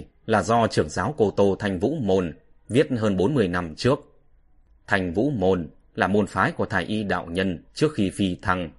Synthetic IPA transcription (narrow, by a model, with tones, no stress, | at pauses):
laː˨˩zɔ˧t͡ɕɨ˧˩əŋzaː˨˦wko˧t̪o˧t̪ʰa˧jŋ̟vṵ˧˥mo˨˩n | vi˦˥ət̚ɦəː˧nɓo˨˦nmɨ˧əjna˧mt͡ɕɨ˦˥ək̚ | t̪ʰa˧jŋ̟vṵ˧˥mo˨˩n | laː˨˩mo˨˩nfaː˨˦jku˧˩ət̪ʰaː˧˩jʔi˧ɗa̰ː˧˨wɲə˧nt͡ɕɨ˦˥ək̚xi˧fi˧t̪ʰa˧ŋ